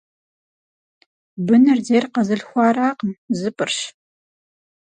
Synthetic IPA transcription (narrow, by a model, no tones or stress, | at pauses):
bɨnɨrdeːrqɐzɨɬxʷɑːɾaːqəmzɨpʼɨrɕ